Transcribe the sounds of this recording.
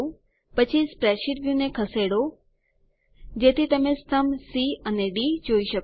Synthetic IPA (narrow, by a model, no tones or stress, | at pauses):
pət͡ʃʰispɾɛʃiʈʋjũnekʰəseɽo | d͡ʒet̪ʰit̪əmest̪ʰəmsiəneɖid͡ʒoiʃək